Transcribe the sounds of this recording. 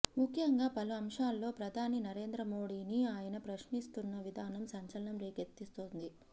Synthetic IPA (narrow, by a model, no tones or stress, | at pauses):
mukʰjɐŋɡaːpɐluɐmʂaːlːo̞ːpɾɐd̪ʱaːninɐɾe̞ːnd̪ɾɐmo̞ːɽiːniaːjɐnɐpɾɐʂnist̪unːɐʋid̪ʱaːnɐmsɐɲt͡ʃɐlɐnɐmɾeːket̪ːist̪oːnd̪i